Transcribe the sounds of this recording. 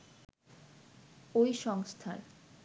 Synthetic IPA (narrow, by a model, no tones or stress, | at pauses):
ojʃɔŋst̪ʰa̰ɾ